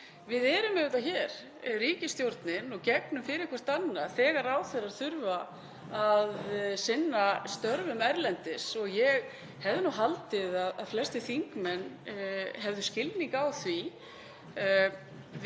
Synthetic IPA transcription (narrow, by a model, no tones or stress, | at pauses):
vɪðɛɾʏmɛʏt̪açɛɾ̥ | riːcɪst̪jowɾt̪nɪnɔɣcɛknʏmfɪɾɪkʰɛɾ̥st̪anːaθɛːɣaɾaːwθɛraɾ̥θʏɾva | aðsɪnːast̪œɾvʏmɛɾlɛnt̪ɪsɔɣjɛɣ | hɛvðɪnuɦalt̪ɪðaðaðflɛst̪ɪθiŋkmɛnːɦɛvðʏscɪlniŋkawθvi